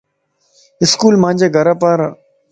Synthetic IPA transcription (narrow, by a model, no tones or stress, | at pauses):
ɪskuːlmãːɲʲd͡ʒeːɡʱəɾaːpaːɾ